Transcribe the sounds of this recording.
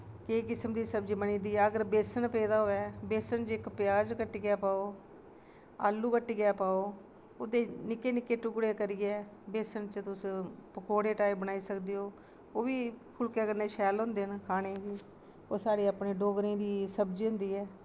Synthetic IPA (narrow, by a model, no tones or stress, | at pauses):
keːkɪsəmd̪iːsəbd͡ʒiːbənĩːd̪iːɛːəɡəɾbeːsənpɛːd̪aːɦoːɛːbeːsənt͡ʃɪkpjaːd͡ʒkəʈːiːɡɪjaːpaːoː | a̰ːlːuːkəʈːiːɡjaːpaːoː | ʊd̪eːnɪkeːnɪkeːʈʊkɽeːkəɾɪːɛː | beːsənt͡ʃət̪ʊspəkoːɽeːʈaːibənaːiːsəkd̪eːoː | oːʋiːpʰʊlkɛːkəɾneːʃɛːlɦʊ̃ːnd̪eːnkʰaːɽ̃eːʋiː | oːsaːɽeːapnẽːɖoːɡɾẽːd̪iːsəbd͡ʒiːɦʊ̃nd̪iːɛː